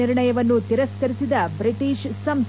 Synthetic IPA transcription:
iɾɳɐjɐʋɐnːut̪iɾɐskɐɾisid̪ɐbɾiʈiːʃsɐms

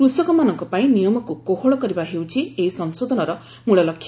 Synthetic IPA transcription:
kɾusɔkɔmanɔŋkɔpaĩnijɔmɔkukoɦoɭɔkɔɾibaɦewt͡ʃʰieisɔnsod̪ʱɔnɔɾɔ | muɭɔlɔkʰːja

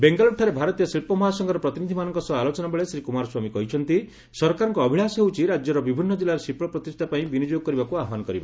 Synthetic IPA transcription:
beŋɡalɔʈʰːaɾebʱaɾɔt̪ijɔsilpɔmɔɦasɔŋɡɔɾɔpɾɔt̪inid̪ʱimanɔŋkɔsɔalot͡ʃɔnabeɭesɾikumaɾɔswamikɔɦit͡ʃʰɔnt̪i | sɔɾkaɾɔŋkɔːbʱiɭasɔɦeut͡ʃʰiɾad͡ʒjɔɾɔbibʱinːɔd͡ʒilːaɾesipɾɔpɾɔt̪isʈʰapaĩbinid͡ʒjoɡɔkɔɾibakuaɦmanɔkɔɾiba̰

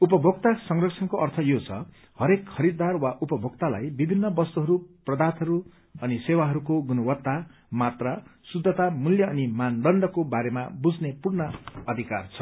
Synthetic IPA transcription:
upʌbʱoɡ̚t̪asʌŋrʌksʰʌnkoʌrt̪ʰʌjot͡sʰʌ̰ | hʌɾekʰːʌɾid̪arwaʔupʌbʱoɡt̪ala̰jbibʱinːʌbʌst̪uɦʌɾuprʌd̪at̪ʌɾu | ʌnisewaɦʌɾukoɡunʌwʌt̪ːa | mat̪rʌsud̪ʱːʌt̪amuljʌːnimand̪ʌɳɖʌkobaɾema̰bud͡znepurnʌʌd̪ʱikart͡sʰʌ̥

